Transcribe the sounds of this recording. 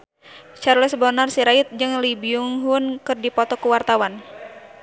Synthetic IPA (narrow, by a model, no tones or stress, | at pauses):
t͡ʃarlɛsbɔnarsiɾait̪̚d͡ʒɨŋlibiuŋɦunkɨrdipɔt̪ɔkuwart̪awan